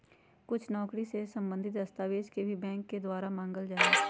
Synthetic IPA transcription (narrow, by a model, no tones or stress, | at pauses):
kʊt͡ʃʰnɔːkɽisesə̃mbə̃nd̪ʱɪt̪dəst̪aːʋeːd͡ʒkebʱibɛ̃ːŋkːed̪waːɾamãːŋɡəld͡ʒaːe